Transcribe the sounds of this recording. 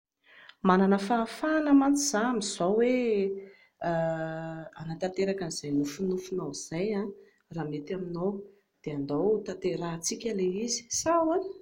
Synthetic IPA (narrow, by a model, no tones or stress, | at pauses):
mananəfaːfanəmant͡s̪iz̥amiz̥owe | anat̪ant̪eɾakaniz̥ajnufunufunawiz̥ajã | raːmet̪aminow | d̪̥eand̪owt̪at̪eɾat͡sikʲaleizi̥sawa